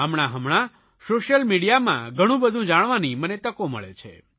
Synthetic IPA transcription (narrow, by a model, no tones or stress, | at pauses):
əmɳ̃aɦəmɳa | soʃəlmiɽijamã̰ɡʱəɽ̃ũbəd̪ʱũd͡ʒaɽ̃ʋanimənet̪əkomə̰ɭḛt͡ʃʰḛ